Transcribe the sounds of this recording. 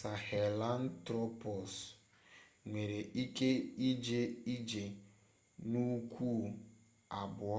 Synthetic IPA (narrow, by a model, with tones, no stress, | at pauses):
sa˨he˨la˦n̩˦tɾɔ˦pɔ˨s | ŋʷe˨ɾe˨ʔi˦ke˦i˦d͡ʒe˨i˦d͡ʒe˨ | nu˦kʷu˦˨ | a˨bʊ˨˦